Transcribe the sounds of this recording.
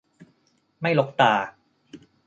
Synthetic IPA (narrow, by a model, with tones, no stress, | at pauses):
ma˥˩jlo˦˥k̚t̪aː˨˩